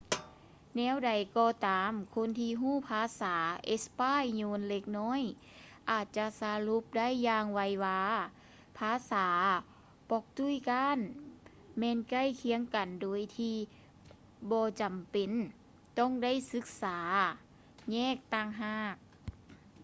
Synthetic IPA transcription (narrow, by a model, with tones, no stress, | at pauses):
nɛː˧˥˨wda˨˩jkɔː˧t̪aː˨˦mkʰo˧˥˨nt̪ʰiː˧ɦuː˥˩˨pʰaː˧˦saː˩˦ʔe˧˦spaː˧˥˨jɲoː˧˥nle˧k̚nɔː˥˨j | ʔaː˨˩t̪̚t͡ɕa˧sa˧˦lu˧˦p̚da˥˨jːaː˧ŋwa˧˥jwaː˧ | pʰaː˧˥saː˩˦ | pɔ˧k̚t̪u˧˥˨jkaː˧˥˨n | mɛː˧˨nka˧˥˨jkʰi˧˦əŋka˨˩ndoː˨˩jt̪ʰiː˧ | bɔː˧t͡ɕa˨˩mpe˨n | t̪ɔ˧˥˨ŋda˥˨jsɯ˧˦˥k̚saː˩˦ | ɲɛː˧˥˨k̚t̪a˧˩˨ŋɦaː˧˩k̚